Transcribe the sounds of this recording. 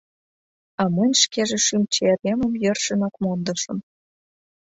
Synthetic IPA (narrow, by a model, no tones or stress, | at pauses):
ɑmənʲʃkeʒĕʃymt͡ɕeeɾemə̆mjə̆rʃə̆nɑkmond̪ɤ̆ʃə̆m